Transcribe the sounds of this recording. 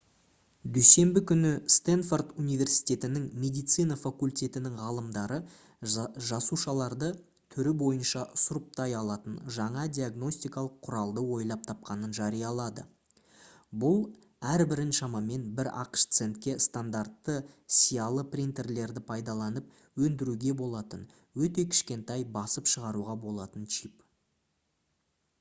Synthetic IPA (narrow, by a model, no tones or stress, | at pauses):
d̪ɵjse̞mbɪkʲʰʏnɪst̪enfo̞rt̪unijvʲe̞rsi̥jt̪ʲe̞t̪ɪnɪŋmʲe̞d̪ijt̪sɨjnɑfakulʲt̪ʲe̞t̪ɪnɪŋʁɑlˠəmd̪ɑɾə | ʒɑsuʃɑlˠɑɾd̪ə | t̪ʰʏɾɪbo̞jənʃɑsʊɾəp̚t̪ɑjɑlˠɑt̪ənʒɑɴɑd̪ʲijaɡno̞sʲt̪ijkɑlˠəqʰːʊɾɑlˠd̪əwo̞jlˠɑp̚t̪ʰɑpqɑnənʒɑɾijɑlˠɑd̪ə̰ | bʊlˠ | æɾbɪɾɪnʃɑmɑme̞nbɪɾɑ̰qə̥ʃt̪se̞nt̪kʲe̞st̪and̪aɾt̪ːəsijɑlˠəprʲint̪e̞rle̞ɾd̪ɪpʰɑjd̪ɑlˠɑnəp | wɵnd̪ɪɾuɡʲe̞bo̞lˠɑt̪ən | wɵt̪̬e̞kʲʰɪ̥ʃkʲe̞nt̪ɑjbɑsəpʃəʁɑɾuʁɑbo̞lˠɑt̪ənt͡ʃʰip